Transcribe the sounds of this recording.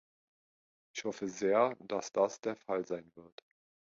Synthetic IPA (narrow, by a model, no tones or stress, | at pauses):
ɪçhɔfəzeːɐd̥asd̥asd̥eːɐfalzaɪnvɪɐt